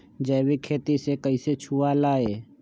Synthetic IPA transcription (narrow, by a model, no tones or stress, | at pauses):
d͡ʒɛːwikʰeːt̪isekəiset͡ʃʰualaːeː